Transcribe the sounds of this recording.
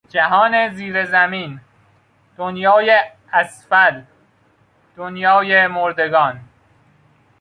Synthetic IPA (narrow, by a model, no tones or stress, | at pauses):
d͡ʒæɦɒːneziːɾezæmiːn | d̪̥onjɒːje | æsfæl | d̪̥onjɒːjemoɾd̪e̞ɡɒːn